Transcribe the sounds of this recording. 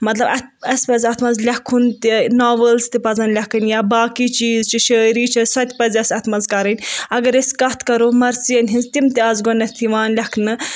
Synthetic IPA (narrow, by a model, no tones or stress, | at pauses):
mɐt̪lɐbɐɐspɐzʲɐt̪ʰmɐnzlʲɐkʰːunt̪inaːʋəlst̪ipɐzɐnd̪lʲɐkɨnjaːbaːkit͡ʃiːzt͡ʃʰiʃəːɾiːt͡ʃʰɐsɐt̪ʰʲpɐzʲɐsʲɐt̪ʰmɐnzkɐɾɐnʲɐɡɐɾeskɐt̪ʰkɐɾomɐɾt͡siɐnʲɦinzt̪imt̪iɐzɡonɐt̪ʰiʋaːnlʲɐkʰnɨ